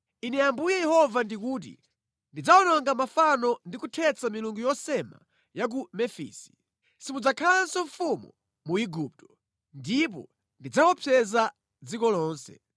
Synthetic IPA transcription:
inɛjambujɛjɛhɔvandikuːt̬ḭ | ndid͡zaɔnɔŋɡamafanɔndikutʰɛt͡samiluŋɡujɔsɛma̰ | jak̬umɛfḭːsi̥ | simud͡zakʰalaansɔɱfumṵ | muiɡup̚tɔ̥ | ndip̬ɔ̰ | ndid͡zawɔpʰɛza | d͡zikɔlɔːnsɛ̰

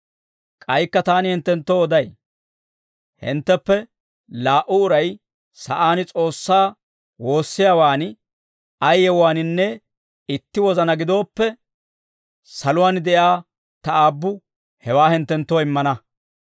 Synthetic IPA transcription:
kʼɐjkːɐt̪aːnɪhɛnt̪ːɛnt̪ːoːɔd̪ɐj | hɪ̰nt̪ːɛpːɛ | laːʔʊːɾɐj | sɐʔaːnɪt͡sʼo̞ːsːaː | wo̞ːsːɪjaːwaːn | ɐjːɛwaːnɪnːɛ | ɪt̪ːɪwɔzɐnɐɡɪd̪o̞ːpːɛ | sɐlʊwaːnd̪ɛjaː | t̪ɐaːbːʊ | hɛwaːhɪnt̪ːɛnt̪ːoːɪmːɐnɐ

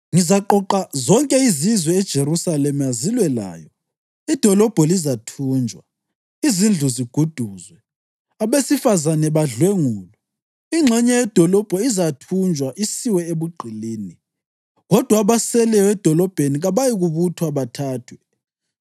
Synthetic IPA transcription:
ŋizaǃɔǃazɔŋkʼɛizizwɛɛd̥ʒ̥ʱeɾusalemjazilwɛla̰ːjɔ | id̥ʱɔlɔb̥ʱɔlizatʰuːnd͡ʒʱwa | izind͡ɮʱuziɡ̥ʱud̥ʱuzwɛ | aβesifazanɛβaɮweŋuːlɔ | iŋ͡ǁʱɛɲɛjɛd̥ʱɔlɔb̥ʱɔizatʰund͡ʒʱwaʔisiwɛeβuɡ͡ǃʱiliːni | ɣɔd̥ʱwaβasɛlɛwɛd̥ʱɔlɔb̥ʱeniɣaβajiɣuβutʰwaβatʰaːtʰwɛ

